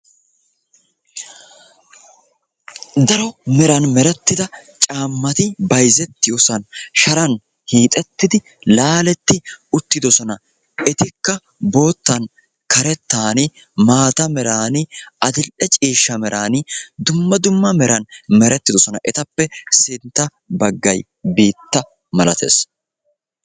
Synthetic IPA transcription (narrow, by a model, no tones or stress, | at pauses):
d̪ɐɾɔmɛɾɐnmɛɾɛt̪ːɪd̪ɐt͡ʃʼaːmːɐt̪ɪbɐjzɛt̪ːɪjɔsɐnʃɐɾɐn | hiːt̪ʼɛt̪ːɪd̪ɪ | laːlɛt̪ːɪʊt̪ːɪd̪ɔsɔnɐ | ʔɛt̪ɪkːɐ | bo̞ːt̪ːɐn | kɐɾɛt̪ːaːnɪ | maːt̪ɐmɛɾaːnɪɐd̪ɪlʔɛt͡ʃʼiːʃːɐmɛɾʔaːnɪd̪ʊmːɐd̪ʊmːɐmɛɾɐnmɛɾɛt̪ːɪd̪ɔsɔnɐ̰ʔɛt̪ɐpːɛsɪnt̪ːɐ | bɐɡːɐj | biːt̪ːɐ | mɐlɐt̪ʰḛːs